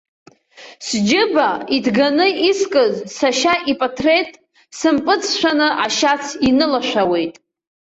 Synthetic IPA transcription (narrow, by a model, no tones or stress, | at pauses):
sd͡ʒɪbaidɡanɨiskʼɨzsaʃaʔipʼatʰretʼ | sɨmpʼɨt͡sʰʃʷᶣanɨʔaʃat͡sʰinɨlaʃʷᶣawe̞jtʼ